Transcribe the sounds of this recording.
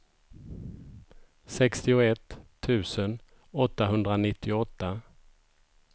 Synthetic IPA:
sɛkst̪ɪʊɛt̪ʰː | ʉ̟ːsən | ɔt̪ːaɦɵnd̪ɾanɪt̪ːɪʊɔt̪ːa

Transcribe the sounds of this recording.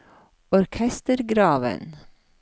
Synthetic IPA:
ɔɾkʰɛst̪əɾɡɾɑːʋə̰n

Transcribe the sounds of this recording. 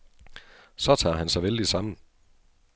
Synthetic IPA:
sɒ̽t͡sʰɑ̰̈ːɦænsɑ̈ɪʋeld̥isɑ̈m̰n̩

